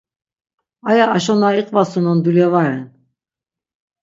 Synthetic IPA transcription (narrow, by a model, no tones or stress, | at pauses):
ajaːʃɔnaiqʼvasɔnɔnd̪ulɛvaɾɛn